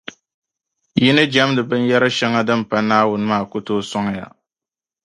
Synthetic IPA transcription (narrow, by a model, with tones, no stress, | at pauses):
jɪ˦nɨ˦d͡ʒa˦mdɨ˨bɨ˦n˦jɛ˦ɾɨ˦ʃɛ˦ŋa˦dɨ˦m˨pa˦naː˦wʊ˦nɨ˦maː˦˨ko˦toː˦sɔ˦ŋ˦ja̰˨